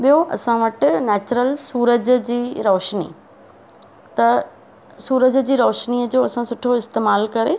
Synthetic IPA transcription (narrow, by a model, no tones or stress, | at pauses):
ɓijoʔɐsãʋɐʈɪ̆nɛːt͡ɕɾəlsuːɾəd͡ʑ̆d͡ʑiːɾɔːʃnḭː | t̪ɐ | suːɾəd͡ʑd͡ʑiːɾɔːʃniːəd͡ʑoːɐsãsʊʈʰoɪst̪eːmaːlkɐɾe